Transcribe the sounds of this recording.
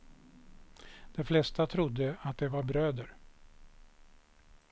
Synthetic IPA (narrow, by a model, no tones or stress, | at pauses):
d̪̥ɛflɛst̪at̪ʰɾʊd̪ːəat̪̚d̪ɛvaɾbɾøːd̪əɾ